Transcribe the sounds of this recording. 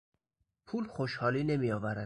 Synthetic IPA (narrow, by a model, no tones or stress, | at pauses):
pʰuːlxoʃhɒːliːne̞mijɒːvæɾæ